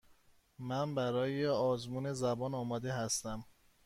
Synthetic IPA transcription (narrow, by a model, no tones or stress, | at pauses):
mænbæɾɒːjeɒːzmuːne̞zæbɒːnɒːmɒːd̪e̞ɦæst̪æm